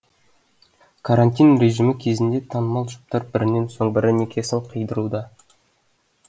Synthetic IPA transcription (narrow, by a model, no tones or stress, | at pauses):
kʰaɾanʲt̪ʲijnre̞ʒimɪkʲʰe̞zɪnd̪e̞t̪ʰɑnəmɑlˠʒʊ̥p̚t̪ɑɾbɪɾɪnːe̞nso̞ɴbɪɾɪne̞kʲʰe̞sɪɴqʰəjd̪əɾud̪ɑ